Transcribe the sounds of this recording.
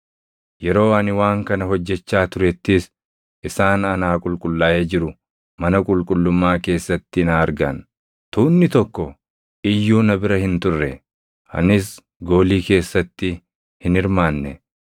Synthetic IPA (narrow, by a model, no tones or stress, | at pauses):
jɛɾo̞ːɐnɪwaːŋkɐnɐɦɔd͡ʒːɛt͡ʃːaːt̪ʊɾɛt̪ːɪs | ʔɪsaːnɐnaːkʼʊlkʼʊlːaːʔeːd͡ʒɪɾʊ | mɐnɐkʼʊlkʼʊlːʊmːaːke̞ːsːɐt̪ːɪnaɐɾɡɐn | t̪uːnːɪt̪ɔkːɔ | ɪjːuːnɐbɪɾɐhɪnt̪ʊrːɛ | ɐ̰nɪs | ɡo̞ːliːke̞ːsːɐt̪ːɪ | hɪnɪɾmaːnːɛ